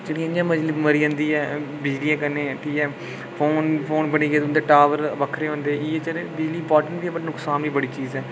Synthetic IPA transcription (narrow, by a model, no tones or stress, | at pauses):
d͡ʒeːɽiːə̃ɲd͡ʒãːməd͡ʒliːməɾiːə̃ːnd̪iːɛːbɪd͡ʒliːãːkəneːʈiːɛː | pʰoːnpʰoːnbəɽiːɡeːt̪ːnd̪eːʈaːʋəɾbəkʰːɾeːɦõːnd̪eːɛːiːɛːt͡ʃəɾeːbɪd͡ʒliːɪmpɔːɾʈəɳʈʋiːɛːbəʈnʊksaːmiːbəɽiːt͡ʃiːzɛː